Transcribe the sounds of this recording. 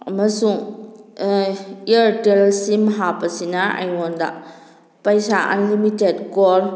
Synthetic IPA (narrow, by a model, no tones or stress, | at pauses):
ɐmɐsuŋ | iɐɾtellsimɐɦapːɐsinaa̰jwonda̰ | pɐjsaʔɐ̰nlimitedkoɾ